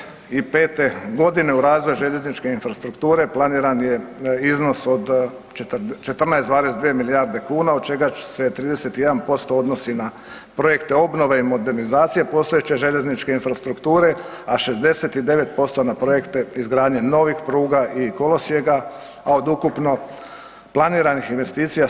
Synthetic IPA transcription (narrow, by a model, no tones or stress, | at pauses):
ipe̞ːt̪e̞ɡo̞d̪ine̞uɾaːzʋo̞juʒe̞ʎe̞znit͡ʃke̞infɾast̪ɾukt̪uːɾe̞plˠaniːɾanjeizno̞sod̪ | t͡ʃt̪t͡ʃe̞t̪r̩najsd̪ʋaːɾe̞sd̪ʋijemilijaɾd̪e̞kuːnaod̪̚t͡ʃe̞ɡḁse̞t̪ɾiːd̪e̞se̞t̪ijed̪anpo̞st̪o̞o̞d̪no̞sina | pɾo̞je̞kt̪e̞o̞bno̞ʋeimo̞d̪e̞ɾnizaːt̪sijepo̞ːst̪o̞et͡ɕe̞ʒe̞ʎe̞znit͡ʃke̞infɾast̪ɾukt̪uːɾe̞ | aʃe̞zd̪e̞se̞t̪id̪e̞ʋe̞t̪̚po̞st̪o̞napɾo̞je̞kt̪e̞izɡɾaːd̪ɲeno̞ʋixpɾuːɡaʔiko̞lo̞sje̞ɡa | ao̞d̪ukupno̞ | plˠaniːɾanixinʋe̞st̪iːt̪sija